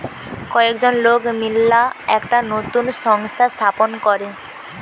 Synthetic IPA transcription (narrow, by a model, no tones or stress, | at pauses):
kɔekd͡ʑonlokmilːaɛkʈanot̪unsɔŋst̪ʰast̪ʰaponkɔɾe